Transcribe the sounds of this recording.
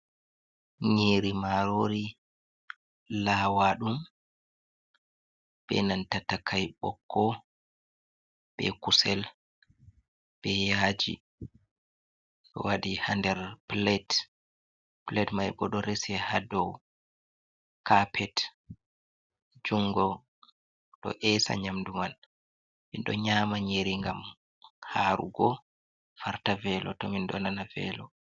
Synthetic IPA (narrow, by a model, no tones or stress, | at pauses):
ɲiːɾimaɾoɾi | lawaɗum | bɛ̰nantatakʰajɓɔ̰kːɔ | b̥ɛ̰kusɛl | b̥ɛjad͡ʒḭ | ɗɔ̰waɗihandɛɾplɛt | plɛtmajbɔɗɔɾesiɛhadɔw | kapʰɛt | d͡ʒuŋɡɔ | ɗɔ̰ʔɛsa̰ɲamduman | minɗɔɲaːmaɲeɾiŋɡam | haːɾṵɡɔ | faɾtavɛlɔtɔminɗɔnanavɛ̰ːlɔ